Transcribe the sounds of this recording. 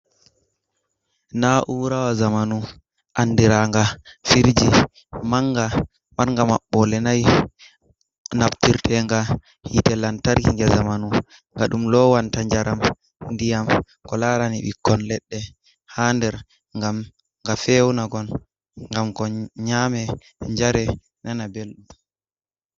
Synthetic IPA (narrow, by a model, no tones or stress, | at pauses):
naʔuɾawazamanu | ʔanːdiɾaŋɡafiɾd͡ʒi | maŋɡa | maɾŋɡama̰ɓːɔlɛnaj | naptiɾtʰɛŋɡa | hitɛlantaɾkiŋɡɛzamanu | ŋɡaɗumlɔwantaɲd͡ʒaɾʔam | ndijam | kɔlaɾanḭɓḭkːɔnlɛɗːɛ | haːndɛɾ | ŋɡam | ŋɡafɛwnaɡɔn | ŋɡamkɔɲamɛ | ɲd͡ʒaɾɛ | nanabelɗum